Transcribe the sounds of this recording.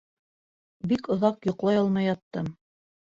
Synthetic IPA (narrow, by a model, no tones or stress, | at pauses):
bikŏðɑqjŏqlˠɑjɑlˠmɑjɑt̪ːɤm